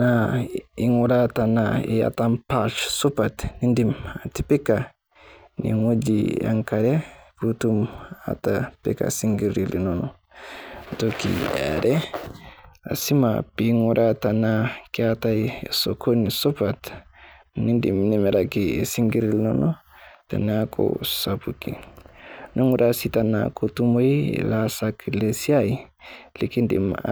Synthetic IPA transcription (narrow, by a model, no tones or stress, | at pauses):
naiŋuɾatanaḭja̰tampat͡ʃsupatnindimatipika | nḭŋod͡ʒija̰ŋkaɾɛputuma̰tapḭka̰siŋɡiɾilnɔnɔ | tokḭa̰ɾɛ | a̰simapiŋuɾatanakatajesokonisopat | nindḭmnimeɾakiesiŋɡiɾilnono | ta̰nakʰo̰sabuki | nʔoŋuɾasitana̰kotumoḛlasakilesiai | likindḭm